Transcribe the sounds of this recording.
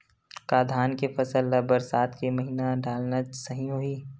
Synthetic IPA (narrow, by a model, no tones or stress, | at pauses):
kaːd̪ʱaːnkefɐsələbəɾsaːt̪kemɐɦiːnaɖaːlnasɐɦĩɦoiː